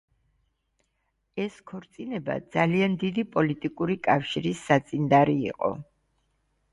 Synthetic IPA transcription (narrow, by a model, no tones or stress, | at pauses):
ɛskʰɔɾt̪sʼinɛba̰d̪z̥aliand̪id̪ipʼɔlit̪ʼikʼuɾikʼafʃiɾisːat̪sʼind̪aɾḭːqʼɔ̰